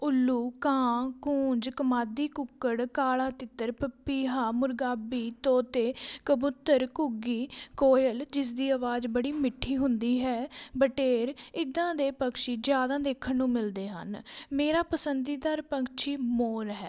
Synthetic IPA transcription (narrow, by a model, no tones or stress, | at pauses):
ʊlːuːkãːkʊ̃ːɲd͡ʒkəmaːd̪iːkʊkːəɽkaːlaːt̪ɪt̪ːəɾpəpːiːɦaːmʊɾɡaːbiːt̪oːt̪eːkəbʊt̪ːəɾkʊɡiːkoːjəld͡ʒɪs̬d̪iːaːʋaːzbəɽiːmɪʈʰːiːɦʊ̃nd̪iːɦɛːbəʈeːɾɪd̪ãːd̪eːpəkʃiːd͡ʒjaːd̪ãːd̪eːkʰənnũːmɪld̪eːɦə̰nmeːɾaːpəsənd̪iːd̪aɾpəŋkt͡ʃʰiːmoːɾɦɛː